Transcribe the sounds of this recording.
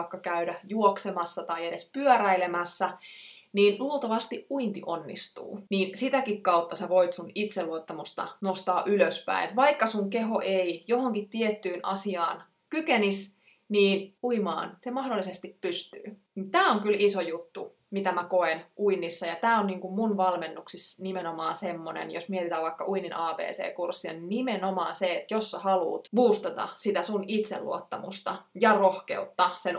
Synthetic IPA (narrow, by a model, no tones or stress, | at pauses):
kːɑkæydæjuoksemɑsːɑt̪ɑiedespyœɾæilemæsːæ | niːnluolˠt̪ɑʋɑst̪iʔʔuint̪iʔonːḭst̪ṵːniːnsit̪ækikkɑut̪ːɑseʋo̞it̪sunit̪seluot̪ːɑmust̪ɑ̰nost̪ɑːʔyløspæ̰inet̪ʋɑikːɑsuŋkeɦo̞ʔeijohoŋkit̪t̪ːiet̪ːyːnʔɑ̰siɑ̰ːn | kykenis | niːnuimɑ̰ːnsemɑhdolːisest̪ippyst̪y̰ːnint̪æːoŋkylisojut̪ːu | mit̪æmækoenʔuinːisːɑjɑt̪æːonniːŋkummunʋɑlmenːuksisnimenomɑːnsemːonḛnjosmiɛet̪it̪æːʋɑikːɑʔuininʔɑːpḛːsḛːkursːiɑ̰ninimenomɑːnseet̪josːɑhɑlṵːt̪ʋuːst̪ɑt̪ɑ̰sit̪æsunit̪sḛllṵot̪ːɑmṵst̪ɑjɑrohkḛut̪ːɑsen